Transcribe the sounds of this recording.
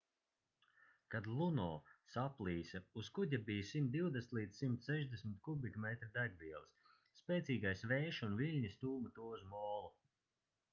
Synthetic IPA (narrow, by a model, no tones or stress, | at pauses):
kad̪lˠunɔːsaplˠiːsʲauskuɟʲabijsimt̪̚d̪iwd̪eslˠiːt̪ssimt̪sɛʒd̪esʲmɪt̪kubʲikmɛt̪ɾid̪aɡʲviɛlˠisː | pʲɛːt̪sʲiːɡajsvɛːʃunvilʲɲist̪uːmat̪uɔuzmɔːlˠu